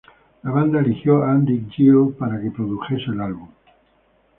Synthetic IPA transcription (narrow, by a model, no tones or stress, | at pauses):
laβ̞and̪aelixjoand̪ik̚d͡ʒiopaɾakepɾoðuxeselalβum